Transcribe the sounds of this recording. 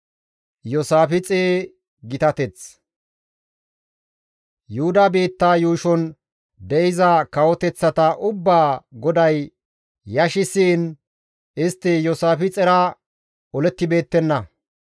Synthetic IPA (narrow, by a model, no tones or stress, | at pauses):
jɔsaːfɪt͡sʼeː | ɡɪt̪ɐt̪ɛt͡s | jʊhʊd̪ɐbeːt̪ːaːjuːʃɔn | d̪ɛʔɪzɐkɐwɔt̪ɛt͡sːɐt̪ɐʔʊbːaːɡɔd̪ɐj | jɐʃɪsiːn | ɪst̪ːɪjɔsaːfɪt͡sʼɛɾɐ | ɔlɛt̪ːɪbe̞ːt̪ːɛnːɐ